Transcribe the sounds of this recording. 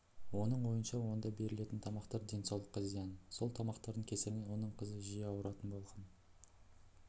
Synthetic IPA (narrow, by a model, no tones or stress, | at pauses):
wo̞nəɴwo̞jənʃɑwo̞nd̪ɑbe̞ɾɪle̞t̪ɪnt̪ʰɑmɑqt̪ɑɾd̪e̞nsɑwlˠə̥qʰːɑzijɑnso̞lˠt̪ʰɑmɑqt̪ɑɾd̪əŋkʲʰe̞sɪɾnewo̞nəɴqʰəzəʒijeɑwəɾɑt̪ənbo̞lˠʁɑn